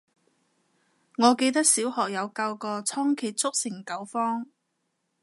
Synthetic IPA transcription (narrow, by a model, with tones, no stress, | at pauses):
ŋɔː˨˧ke˧jt̪ɐ˥k̚siː˨˥whɔː˨k̚jɐ˨˧wkɐ˧wkɔː˧t͡sʰɔː˥ŋkʰiː˨˩t̚t͡sʰʊ˥k̚sɪ˨˩ŋkɐ˨˥wfɔː˥ŋ